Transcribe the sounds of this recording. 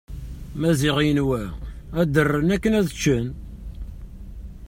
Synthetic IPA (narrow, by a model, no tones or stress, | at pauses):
mæziʁijənwæ | æd̪ərːənækːənæðt͡ʃːən